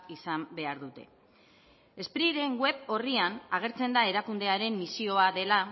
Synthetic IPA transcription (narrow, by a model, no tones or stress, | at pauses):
isambe̞aɾðut̪e̞̰ | e̞spɾiɾe̞ŋɡwe̞po̞rianaɣ̞e̞ɾt͡se̞nd̪ae̞ɾakund̪e̞aɾe̞mːisio̞aðe̞la